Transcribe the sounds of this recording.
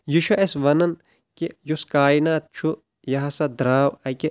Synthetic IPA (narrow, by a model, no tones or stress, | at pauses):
juʃɐʔesʋɐnɐn | kijuskaːinaːt̪̚t͡ʃʰu | jɐɦɐsɐd̪ɾaːwɐke